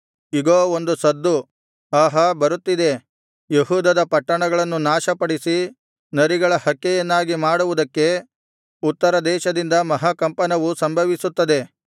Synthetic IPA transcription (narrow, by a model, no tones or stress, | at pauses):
iɡoːond̪usɐd̪ːu | aːɦɐbɐɾut̪ːid̪e̞ | jeɦuːd̪ɐd̪ɐpɐʈːɐɳɐɡɐɭɐnːunaːʃɐpɐɽisi | nɐɾiɡɐɭɐhɐkːɛjɐnːaːɡimaːɽuʋud̪ɐkːe̞ | ut̪ːɐɾɐd̪ɛːʃɐd̪ind̪ɐmɐɦɐkɐmpɐnɐʋusɐmbʱɐʋisut̪ːɐd̪e̞